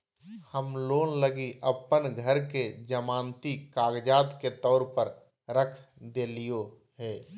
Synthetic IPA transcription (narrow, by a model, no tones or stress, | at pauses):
həmloːnləɡiʔəpənɡʱəɾked͡ʒəmãːnt̪ikaːɡd͡ʒaːd̪ket̪ɔːɾpəɾ | ɾəkʰd̪eːlijo | ɦɛː